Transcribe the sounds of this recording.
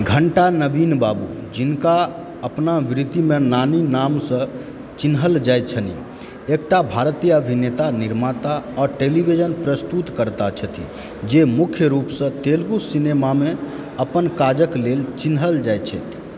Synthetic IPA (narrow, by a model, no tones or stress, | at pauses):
ɡʱəɳʈanəbinbabṵd͡ʒinka | əpnaʋɾit̪imenaninamsə̃ | t͡ʃinɦəld͡ʒajt̪̚t͡ʃʰənḭ | ek̚ʈabʱaɾt̪ijəəbʱinet̪aniɾmat̪aɔɾʈelibʱid͡ʒənpɾəst̪ut̪kəɾt̪at͡ʃʰət̪ʰḭ | d͡ʒemukʰjəɾupsə̃t̪elɡusinemame | əpənkad͡ʒəklelt͡ʃinɦəld͡ʒajt̪t͡ʃʰəjt̪ʰ